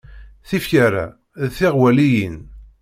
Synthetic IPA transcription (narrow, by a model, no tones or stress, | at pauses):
θifçaɾæ̰ | ðθɪʁwælijin